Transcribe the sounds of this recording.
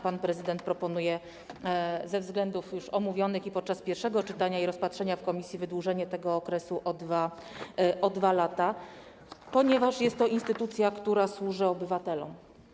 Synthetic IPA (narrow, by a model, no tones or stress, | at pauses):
panpɾɛzɘd̪ɛnt̪̚pɾɔpɔnujɛ | zɛvzɡlɛnd̪ufjuʂɔmuvʲjɔnɘxipɔt̪̚t͡ʂaspʲjɛɾfʂɛɡɔt͡ʂɘt̪aɲaiɾɔspatʂɛɲafkɔmʲisʲjivɘd̪wuʐɛɲɛt̪ɛɡɔːkɾɛsuʔɔd̪va | ɔd̪valat̪a | pɔɲɛvaʂjɛst̪ːɔʔinst̪ɘt̪ut̪sʲjakt̪uɾaswuʐɘɔbɘvat̪ɛlɔ̰m